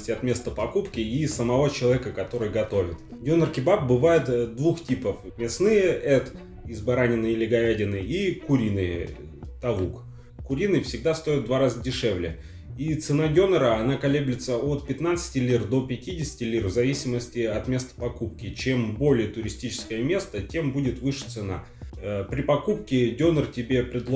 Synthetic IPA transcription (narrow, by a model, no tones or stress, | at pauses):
sʲtʲɪɐt̪mʲe̞st̪əpɐkupkʲɪisəmɐvo̞t͡ɕɪlˠɐvʲekəkɐt̪o̞ɾɨjɡɐt̪o̞vʲɪt̪ɡʲo̞nərkʲɪbap̚bɨvajɪt̪d̪vuxtʲipəfmʲɪsnɨjəʔɛt̪ | ɪzbɐɾanʲɪnɨɪlʲɪɡɐædʲɪnɨikʊɾʲinɨj̰ | t̪ɐvuk | kʊɾʲinɨjfsʲɪɡ̚d̪ast̪o̞ɪt̪̚d̪vaɾazədʲɪʂɛvlʲɪ | it̪sɨnadʲo̞nəɾəɐnakɐlʲeblʲɪt̪səot̪pʲɪt̪nat̪sɨ̥tʲɪlʲird̪o̞pʲɪtʲidʲɪsʲɪ̥tʲɪlʲirvzɐvʲisʲɪməsʲtʲɪɐt̪mʲe̞st̪ə̥pɐkup̚kʲɪt͡ɕe̞mbo̞lʲɪjət̪ʊɾʲɪsʲtʲit͡ɕɪ̥skəjəmʲe̞st̪ətʲe̞mbudʲɪt̪vɨʂɨ̥t̪sɨna̰ | pɾʲɪpɐkup̚kʲɪdʲonərtʲɪbʲe̞pɾʲɪd̪lˠ